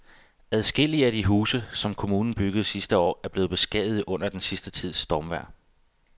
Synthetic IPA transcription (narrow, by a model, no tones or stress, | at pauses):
æðˠsɡ̥e̝l̰iəæd̥iɦuːsəsɒ̽mkʰo̝muːnn̩b̥yɡ̥əð̩ˠsisd̥əɒ̰ːæɐb̥le̝ːð̩ˠb̥e̝sɡ̥ɛ̰ðˠð̩ˠɔ̽n̰ɐd̥ensisd̥ət͡sʰið̞̰ˠsd̥ɒːmʋæɐ̰